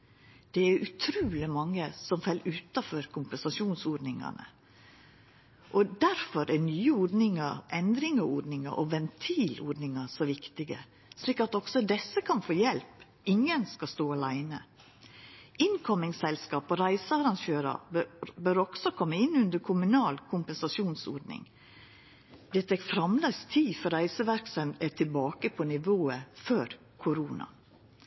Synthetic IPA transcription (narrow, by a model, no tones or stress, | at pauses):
d̪̥ɛæɾʉt̪ʰɾuːlɪmɑŋːəsɔmfɛlːʉːt̪ɑfɔɾkʰʊmpɛnsɑʂuːnsoːɖnɪŋɑ̰nə̰ | ʔɔd̪æɾfɔɾɛnyːəɔːɖnɪŋəɾʔɛnd̪ɾɪŋɑɔːɖnɪŋə̰ʔɔʋɛnt̪ʰiːlɔ̰ːɖnɪŋɑsɔʋɪkt̪ɪɡə̰ | ʂliːkɑt̪ɔɡ̥sɔd̪ɛsːəkʰɑnfoːjɛlp | ɪŋənskɑst̪oːɑlæɪnə | ɪnkʰɔmɪŋsɛlskɑːpɔɾæɪsəɑɾɑnʃøːɾɑ̰bbøːɾɔɡ̥sɔkʰɔmːəɪnːʉnd̪əɾkʰʊmʉnɑːlkʰʊmpɛnsɑʃuːnsɔɖnɪ̰ŋ | d̪̥ɛt̪ʰɛkfɾɑmlæst̪ʰiːfɔɾæɪsəʋæɾksənæʈʰɪlbɑːkəpʰɔnɪʋoːəføɾ | kʰʊɾuːnɑ̰